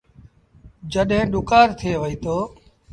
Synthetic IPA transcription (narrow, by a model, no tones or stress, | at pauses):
d͡ʒəɗɦẽːɗʊkaːɾt̪ʰeːʋəiːt̪oː